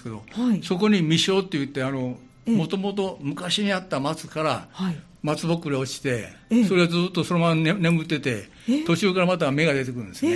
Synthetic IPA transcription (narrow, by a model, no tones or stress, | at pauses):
ske̞d̪o̞̰so̞ko̞ɲ̟imʲiɕo̞ːt̪ːe̞jɯ̟t̪ːe̞ano̞ | mo̞t̪omo̞t̪o̞mɯ̟kaɕiɲ̟iat̪ːamat͡sɨ̥kaɾa | mat͡sɨbo̞kːɯɾeot͡ɕi̥t̪e̞ | so̞ɾe̞ad͡zɨːt̪ːo̞soɾomanne̞mɯ̟t̪ːe̞t̪e̞ | t̪o̞t͡ɕɨːkaɾamat̪ame̞ɡad̪e̞t̪ekɯɾɯ̟̃nd̪esɨne